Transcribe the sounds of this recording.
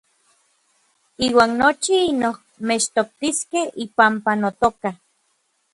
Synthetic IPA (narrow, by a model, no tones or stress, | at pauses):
iːwaːnːot͡ʃiinoh | met͡ʃt̪ok̚t̪iskehipampanot̪oka